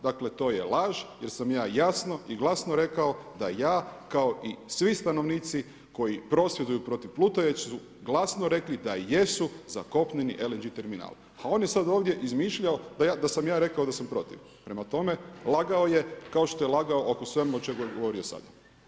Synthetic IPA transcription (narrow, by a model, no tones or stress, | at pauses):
d̪akle̞t̪o̞ːje̞̰lˠaʒje̞ɾsamjaːjasno̞ʔiɡlˠasnoɾe̞kao̞d̪ajaːkaoʔisʋist̪ano̞ʋniːt̪si | ko̞jipɾo̞sjed̪ujupɾo̞t̪iʋplˠuːt̪oʋet͡ɕsu | ɡlˠasnoɾe̞klid̪aje̞suza̰ko̞pɲeniʔelend͡ʒit̪e̞ɾmina̰ːl | ao̞ːnjesad̪o̞ːʋd̪ʲje̞ʔizmiʃʎaod̪ajad̪asamjaːɾe̞kao̞d̪asampɾo̞t̪ḭʋ | pɾe̞mat̪o̞me̞lˠaɡao̞je̞kao̞ʃt̪o̞jelˠaɡaoʔokosʋe̞muot͡ʃe̞ɡojeɡoʋo̞ɾio̞sa̰d̪a